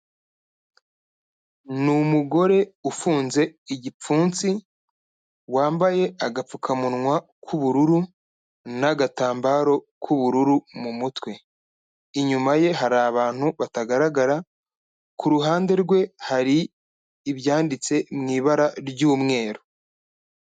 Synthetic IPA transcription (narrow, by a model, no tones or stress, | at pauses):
numuɡo̞ɾe̞ufuːnze̞iɟip͡fuːnt͡si | waːmbaje̞aɡap͡fukʰamunŋwa | kʰuβuɾuɾu | naɡataːmbaɾo̞kʰuβuɾuɾumumutwe̞ | iɲumaje̞ɦaɾaːβaːn̥huβataɡaɾaɡaɾa | kuɾuɦaːnde̞ɾɡwe̞haɾiː | βjaːndit͡se̞mŋiːβaɾaɾɟuːmŋe̞ːɾo